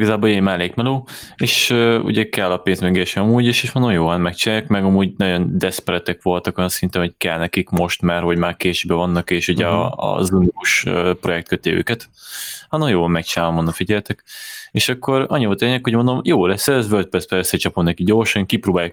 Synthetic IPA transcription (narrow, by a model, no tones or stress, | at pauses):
iɡɒzaːboleːmaːleːkmɛloː | eːʃøṵɟɛkɛlːɒpeːnzmɛɡeʃɛɒmuːɟeːʃeʃond̪omjoːvanmɛkt͡ʃinaːjakmɛɡɒmuːɟnɒɟo̞nd̪ɛspɾɛt̪ɛkʋo̞lt̪ɒko̞jɒnsint̪ɛnho̞ckɛlnɛkikmo̞ʃt̪maːrɦo̞ɟmaːrkeːʃebɛvɒnːɒkeːʃuɟɛɒ̰zunikuʃøpro̞jɛk̚t̪køt̪ːeːø̰ːkɛt̪hɒnomjoːvɒmmɛk̚t͡ʃinaːlvɐmond̪ofiɟɛlt̪ɛkeːʃɒkːo̞ɾɒ̰ɲːivolt̪eːɲɛkho̞ɟmo̞nd̪omjoːlɛsːɛzvørt̪̚prɛsbɛøsːɛt͡ʃɒpomnɛkiɟo̞rʃɒŋkiproːbaːjak